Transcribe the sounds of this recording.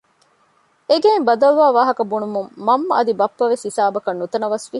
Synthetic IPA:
eɡeːmbɐd̪ɐlʋaːʋaːɦɐkɐbunumumːɐmːɐɐd̪ibɐpːɐʋesisaːbɐkɐnːut̪ɐnɐʋɐsʋi

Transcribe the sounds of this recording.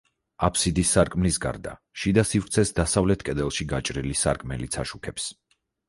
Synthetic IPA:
apʰsid̪isːaɾkʼmlisɡa̰ɾd̪a̰ | ʃid̪asifɾt̪sʰɛsd̪asavlɛt̪ʰkʼɛd̪ɛlˠʃiɡat͡ʃʼɾilisa̰ɾkʼmɛlit̪sʰaʃukʰɛps

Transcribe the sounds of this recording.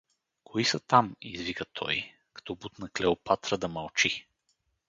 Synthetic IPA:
kʰoisət̪amḭzvikət̪ʰɔ̰j | kɐ̥t̪ɔbut̪nɐklɛopat̪ɾəd̪ɐmɐlˠt͡ʃi

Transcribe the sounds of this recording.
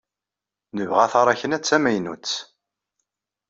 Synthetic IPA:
nəvʁæθɑɾˤæçənæt͡sːæmæjnṵt͡sː

